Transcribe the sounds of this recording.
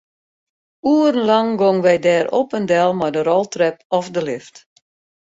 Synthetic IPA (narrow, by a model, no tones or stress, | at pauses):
uːrən̩laŋɡɔŋʋɛjdɛːɾo̰pəndɛlˠmajdəɾɔlˠtrɛp̚ɔfdəlɪft